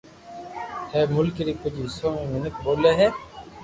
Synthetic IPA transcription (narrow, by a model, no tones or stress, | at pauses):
hɛːmʊlkɪɾiːpʊd͡ʒiːɦɪsoːmẽːmənəkboːleːɦɛː